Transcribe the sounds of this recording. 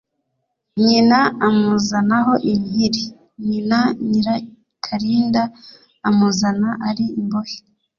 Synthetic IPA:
ɲinaamuzanaɦo̞ʔiɲihiɾi | ɲinaɲiɾa | kʰaɾiːndaː | muzanaʔaɾiimboji

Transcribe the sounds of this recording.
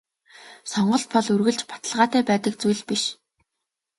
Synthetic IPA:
sɔɴɢɞ̆ɬt̪̚pɔɮurɣɘ̆ɮt͡ɕpḁt̪ə̆ɮʁaːt̪æːpæːt̪ə̆k̚t͡sujɮpiʃ

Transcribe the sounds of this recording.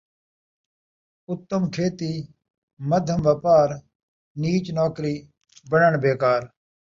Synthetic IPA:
ʊt̪ːəmkʰeːt̪iː | məd̪ʱəmʋɐpaːɾ | niːt͡ʃnoːkɾiː | bəɳəɳbeːkaːɾ

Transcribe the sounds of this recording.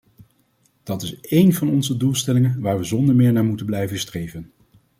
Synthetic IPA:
d̥ɑtɪsejnvɑnɔnzədulˠstɛlɪŋənʋaːɹʋəzɔndəɹmɪːɹnaːɹmutəblɛjvənstrejvən

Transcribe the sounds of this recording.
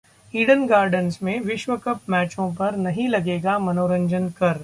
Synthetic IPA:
iːɽənɡaːɾɖənsmẽʋɪʃʋəkɐpmɛːt͡ʃõp̬ɐɾnɐɦĩlɐɡeːɡamɐnoːɾə̃ɲd͡ʒənkɐɾ

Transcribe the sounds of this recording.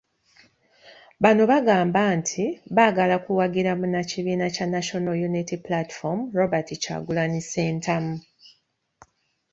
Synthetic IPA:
βano̞βaɡaːmbantʰiβaɡalakuwaɡiɾamunaciβiːnacanaʃo̞najunitiplati̥fomɾo̞batica̰ːɡulaniseːntʰamu

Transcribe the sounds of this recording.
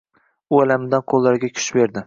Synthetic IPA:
ʊalamɪd̪anqʰolˠːaɾɡʲakʲʰʊ̥ʃbe̞ɾd̪ɪ

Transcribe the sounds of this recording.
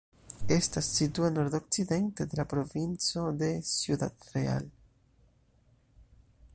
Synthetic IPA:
e̞stasːituano̞ɾd̪o̞k̚t͡side̞nte̞d̪e̞lapɾo̞vint͡so̞d̪e̞sjud̪a̰t̪ɾe̞a̰l

